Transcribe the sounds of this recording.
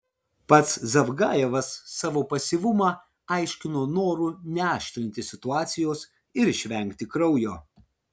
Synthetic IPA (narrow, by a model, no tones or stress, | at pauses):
pɐt̪szɐʋɡɑːjɛʋɐsːɑːʋoːpɐsʲiʋʊmɑː | ɐɪʃʲkʲɪnoːnoːɾunʲɛæɑːʃʲt̪ʲɾʲɪnʲt̪ʲɪsʲɪt̪ʊɑːt̪sʲɪjoːs | ɪɾɪʃʲʋʲɛŋʲkʲt̪ʲɪkɾɐʊjoː